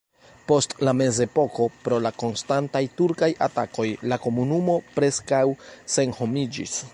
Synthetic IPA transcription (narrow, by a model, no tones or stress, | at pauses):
po̞stlame̞ze̞po̞ko̞pɾo̞lako̞nstantajtuɾkaja̰ta̰ko̞jlako̞munumo̞pɾe̞skawse̞nho̞mid͡ʒḭs